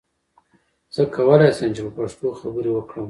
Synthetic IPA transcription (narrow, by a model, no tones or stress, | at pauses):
z̥əkʰawəlajsəmt͡ʃepəpaʂt̪oxabəɾewəkɽəm